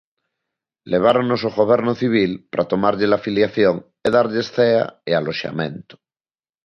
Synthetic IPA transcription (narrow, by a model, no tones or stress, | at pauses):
leβ̞aɾonosoɣoβ̞eɾnoθiβ̞ilpaɾʔat̪omaɾʎelafiljaθjoŋ | eðaɾʎesθea̰ealoʃa̰mẽnt̪o̥